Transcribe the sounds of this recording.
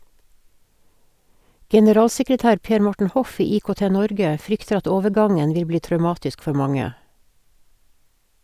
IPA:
ɡɛnəˈɾɑːlsɛkɹəˌtæːɾ ˈpeːɾ ˈmɔʈɳ̩ ˈhɔf ˈiː iːkoːˈteːˌnɔɾɡə ˈfɾʏktəɾ ˈɑt ˈoːʋəˌɡɑŋən ˈʋɪl ˈbliː tɾœʉˈmɑːtɪsk ˈfœ ˈmɑŋə

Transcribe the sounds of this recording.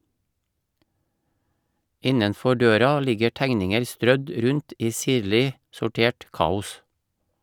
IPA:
ˈɪnənˌfɔ ˈɖøːɾɑ ˈlɪɡə ˈʈæŋnɪŋəɾ ˈstɾœd ˈɾʉnt ˈiː ˈsiːɾlɪ sʊˈʈeːʈ ˈkɑːʊs

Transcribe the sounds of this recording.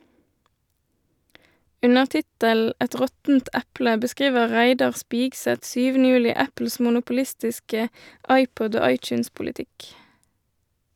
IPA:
ˈʉnəʁ ˈtɪtəl̩ ˈɛt ˈʁɔtn̩t ˈɛplə bəˈskʁiːʋə ˈʁæɪdɑʁ ˈspiːɡsɛt ˈsyːʋənə ˈjʉːlɪ ˈæpl̩s mʊnʊpʊˈlɪstɪskə ˈɑɪˌpɔd ˈoː ˈɑɪˌt͡ʃʉːnspʊlɪˌtɪk

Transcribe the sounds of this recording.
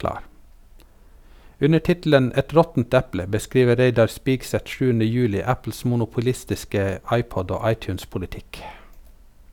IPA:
ˈʉnə ˈʈɪtl̩ən ˈɛt ˈɾɔtn̩t ˈɛplə bəˈskɾiːʋə ˈɾeɪdɑɾ ˈspiːɡsɛt ˈʃʉːənə ˈjʉːlɪ ˈæpl̩s mʊnʊpʊˈlɪstɪskə ˈɑɪˌpɔd ˈoː ˈɑɪˌtjʉːnspʊlɪˌtɪk

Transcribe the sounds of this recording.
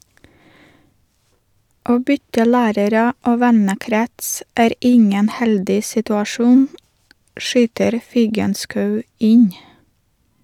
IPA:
ˈoː ˈbʏtə ˈlæːɾəɾə ˈoː ˈʋɛnəˌkɾɛts ˈæːɾ ˈɪŋən ˈhɛldɪ sɪtʉɑˈʃuːn ˈʃyːtəɾ ˈfɪɡənskɑʉ ˈɪɲ

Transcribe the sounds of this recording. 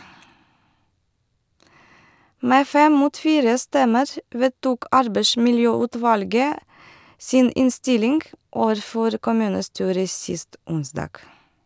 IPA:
ˈmeː ˈfɛm ˈmuːt ˈfiːɾə ˈstɛməɾ ˈʋeːtuːk ˈɑɾbeɪsmɪlˌjøːʉːˌtʋɑlɡə ˈsiːn ˈɪnˌstɪlɪŋɡ ˈoːʋəɾˌfɔɾ kʊˈmʉːnəˌstyːɾə ˈsɪst ˈʊnsdɑːɡ

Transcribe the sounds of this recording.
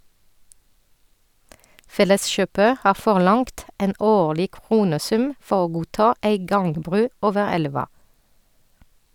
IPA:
ˈfɛləsˌʃøːpə ˈhɑː fɔʁˈlɑŋkt ˈeːn ˈoːɭɪ ˈkʁuːnəˌsʉm ˈfɔ ˈoː ˈɡuːˌtɑː ˈæɪ ˈɡɑŋɡˌbʁʉː ˈoːʋə ˈɛlʋɑ

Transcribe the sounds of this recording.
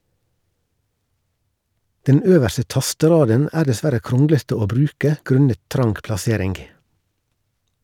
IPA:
ˈdɛn ˈøːʋæɾsə ˈtɑstəˌɾɑːdən ˈʔæːɾ dɛˈsʋæɾə ˈkɾɔŋɡlətə ˈoː ˈbɾʉːkə ˈɡɾʉnət ˈtɾɑŋɡ plɑˈseːɾɪŋɡ

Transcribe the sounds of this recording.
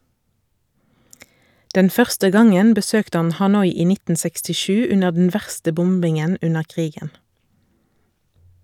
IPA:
ˈdɛn ˈfœʁstə ˈɡɑŋən bəˈsøːkt ˈɑn hɑˈnɔʏ ˈiː ˈnɪtn̩ sɛkstɪˈʃʉː ˈʉnəʁ dn̩ ˈʋæʁstə ˈbʊmbɪŋən ˈʉnəʁ ˈʔkʁiːɡən

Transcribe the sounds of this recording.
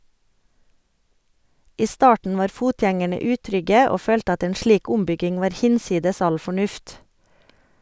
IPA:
ˈiː ˈstɑːʈn̩ ˈʋɑːɾ ˈfuːtjɛŋæɳə ˈʉːtɾʏɡə ˈoː ˈføːlt ˈɑt ˈeːn ˈʃliːk ˈʊmˌbʏɡɪŋ ˈʋɑːɾ ˈhɪnˌsiːdəs ˈɑl fɔˈɳʉft

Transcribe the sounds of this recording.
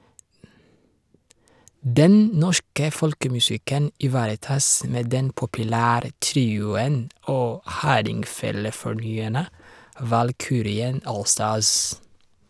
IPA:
ˈdɛn ˈnɔʃkə ˈfɔlkəmʉˌsɪkən ɪˈʋɑːɾəˌtɑːs ˈmeː ˈdɛn pʊpʉˈlæːɾə ˈtɾiːʊən ˈoː ˈhɑːɾɪŋˌfeːləfɔˌɳyːæɳə ʋɑlˈkyːɾɪən ˈoːlˌstɑːs

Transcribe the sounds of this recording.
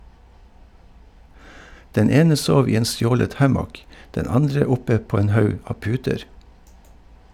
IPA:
ˈdɛn ˈeːnə ˈsoːʋ ˈiː ˈeːn ˈstjoːlət ˈhæmɔk ˈdɛn ˈɑndɹə ˈʊpə ˈpoː ˈeːn ˈhɑʉ ˈɑː ˈpʉːtəɾ

